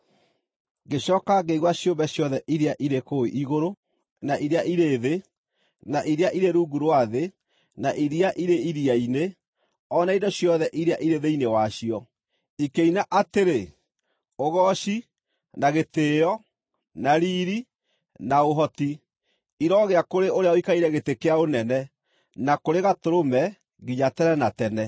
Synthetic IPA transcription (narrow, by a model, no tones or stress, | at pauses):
ɡeɕɔːkaɡeiɣwaɕjombɛɕjɔðɛʔiɾeaʔiɾekoiʔiɣoɾo | naʔiɾeaʔiɾeːðe | naʔiɾeaʔiɾeɾuːɡuɾwaðe | naʔiɾiaʔiɾeiɾiaine | ɔnaidoɕjɔðɛʔiɾeaʔiɾeðeinewaɕiɔ | ikeinaʔateɾe | oɣɔɕi | naɣeteːjɔ | naɾiːɾi | naoɦɔti | iɾɔɣeakoɾeoɾeaoikaiɾɛɣetekeaonɛnɛ | nakoɾeɣatoɾomɛ | ɣiɲatɛɾɛnatɛnɛ